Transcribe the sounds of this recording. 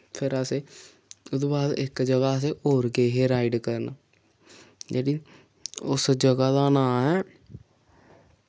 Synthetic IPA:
pʰɪɾəseː | ʊd̪ubaːd̪ɪkd͡ʒəɡaːəs̬eːoːɾɡeːɦeːɾaːiɖkəɾnaː | d͡ʒeːɽiː | ʊsd͡ʒəɡaːd̪aːnãːɦɛː

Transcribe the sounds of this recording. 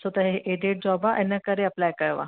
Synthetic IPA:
sət̪aɦeɦeʔeɖeʈ̚d͡ʑɔbaʔɛnːakəɾeaplajkəɭʋa̰

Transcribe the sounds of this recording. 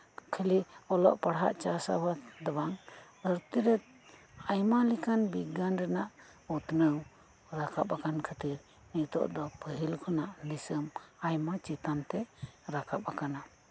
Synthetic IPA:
kʰəliɔlɔ̰ʔpaɽɦa̰ʔt͡ʃasa̰bad̪abaŋ | əɾt̪iɾɛt̪̚ | ajmalikanbiɡanɾɛnaʔ | ut̪nəw | ɾakʰapakankʰət̪iɾ | nit̪ɔ̰ʔd̪ɔpəɦilkʰɔnaʔnisəmajmat͡ʃit̪ant̪ɛɾakʰap̚akana

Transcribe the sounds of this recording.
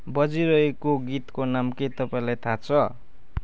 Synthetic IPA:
bʌd͡ziɾʌekoɡit̪konamket̪ʌpaĩlajt̪ʰat͡sʰʌ

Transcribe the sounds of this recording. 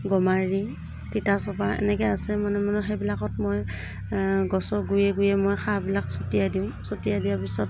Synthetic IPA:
ɡɔmaɹi | titasɔbaɛ̰nɛkɛasɛmanɛmanuxebilakɔtmɔj | ɡɔsɔɡujɛɡujɛmɔjxʰabilaksotijadiʊ̃sotijadijapisɔt̚

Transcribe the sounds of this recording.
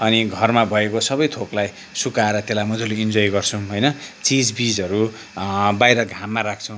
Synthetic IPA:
ʌniɡʱʌrmabʱʌekosʌbʌjt̪ʰoklaj | sukaeɾʌt̪elamʌd͡zuliind͡zojɡʌrt͡sʰũɦʌjnʌt͡sid͡zbid͡zʌɾu | bajɾʌɡʱamːaɾakʰt͡sʰʌw̃

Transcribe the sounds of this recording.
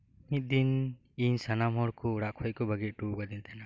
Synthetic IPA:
mit̪̚d̪in | iɲsanamɦɔɾkuːɽaʔkʰɔt̚kɔbəɡit̪̚ˀʈuɡad̪int̪ʰɛna

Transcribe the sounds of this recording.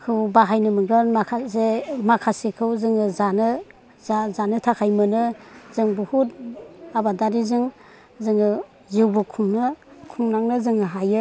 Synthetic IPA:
kʰɯwbaɦajnɯmɯɡɯnmakʰasemakʰasekʰɯwzɯŋɯzanɯ | azanɯtʰakʰajmɯnɯzɯŋbuhutabadaɾizɯŋ | zɯŋɯ | ziwbukʰuŋnɯkʰuŋnaŋnɯzɯŋɯɦajɯ

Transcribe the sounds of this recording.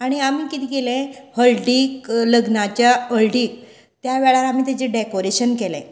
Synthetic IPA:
aɽ̃iamiːkit̪iːkelẽhəlɖikləɡnat͡ɕjaəlɖiːk̚ | t̪jaʋɛɭalam̤iːt̪et͡ɕeɖekoɾeɕənkelɛ̰̃

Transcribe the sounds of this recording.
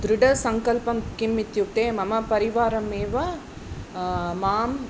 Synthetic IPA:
d̪ɾuɖɐsɐŋkɐlpɐmkimːit̪jut̪eːmɐmɐpɐɾiʋaːɾɐmeːʋɐ | maːm

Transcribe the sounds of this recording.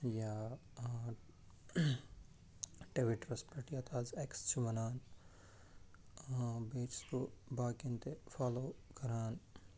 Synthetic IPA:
jaː | ʈeʋiʈɾɐspɐʈijat̪ʰaːzekst͡ʃʰumɐnaːn | beːt͡ʃsk̪obaːkint̪efʰaːloːkɐɾaːn

